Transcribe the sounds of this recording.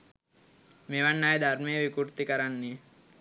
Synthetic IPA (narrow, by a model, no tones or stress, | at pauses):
meʋanːaːjd̪ʱaɾmejeʋikuɾt̪ikəɾanːi